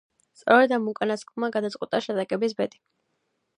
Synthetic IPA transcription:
st̪sʼɔɾɛd̪amukʼanaskʼlˠmaɡad̪at̪sʼwɛt̪ʼaʃɛd̪akʼɛbisbɛt̪ʼi̥

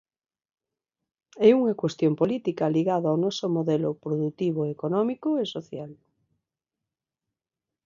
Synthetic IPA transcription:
ɛuŋakwest̪jompolit̪ikaliɣaðoawnɔsomoðɛlopɾoðut̪iβoekonɔmikoesoθjal

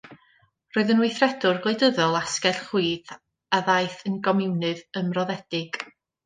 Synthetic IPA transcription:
roːɨðənwɪjθrɛdʊrɡlˠeɨdəðɔlˠaskɛlχiːð | aðajθənɡɔmɪwnɨðəmrɔðɛd̥ɪɡ̥

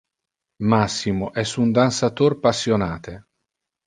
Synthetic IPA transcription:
masːimoʔɛsund̪ansat̪orpasːjonaːt̪e

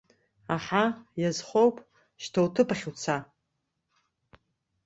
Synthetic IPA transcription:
aħajazχʷowpʼ | ʃtʰowtʰɨpaχʲut͡sʰa

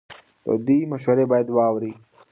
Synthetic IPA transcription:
t̪o̰d̪imɐʃwɐɾebaːjad̪wɑwɾi

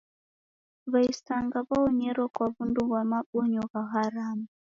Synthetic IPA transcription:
βaisaŋɡaβaɔɲɛɾɔkwaβunduβwamaɓɔɲɔβaɣaɾamu

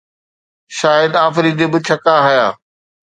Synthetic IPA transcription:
ʃaːjɪd̪aːfɾiːd̪ebɪ̆t͡ɕʰɐkaɦʊjaː

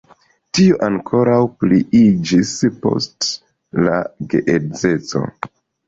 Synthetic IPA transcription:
tioʔaŋkʰo̞ɾawpliid͡ʒispo̞̰st | laɡe̞ʔeze̞t͡so̞̰

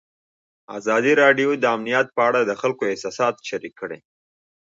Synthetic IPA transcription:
a̰zɑd̪iɾɑɖjod̪əamnijat̪̚pəaɽad̪əxalkoɪhsɑsɑt̪ʃaɾikːəɽḛ

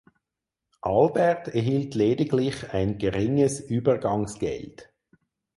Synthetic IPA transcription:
ʔɑlbɛʁtɛɐɦiltʰleːdɪɡlɪχaɪnɡəʁɪŋəsyːbəʁɡɑŋsɡ̥ɛ̰lt

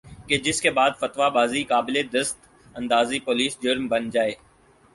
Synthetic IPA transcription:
ked͡ʒɪskebaːd̪fɐt̪ʋabaːzikaːbɪled̪ɐst̪ | ɐ̃nd̪aːzipoːliːsd͡ʒʊɾmbɐnd͡ʒaːeː

